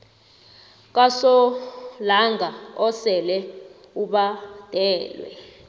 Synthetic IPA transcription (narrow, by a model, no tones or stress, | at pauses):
k̬ʼasɔlaŋʱaɔsɛlɛ | uɓad̥ʱɛːlwɛ̰